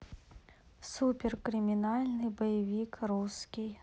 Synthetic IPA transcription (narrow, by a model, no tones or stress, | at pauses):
supʲɪrkɾɪmʲɪnalʲnɨjbɐjɪvʲikruskʲij